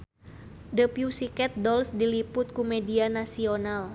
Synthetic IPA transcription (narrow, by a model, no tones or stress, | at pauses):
dəpiusikɛt̪̚dɔlsdilipʊt̪̚kumɛdianasional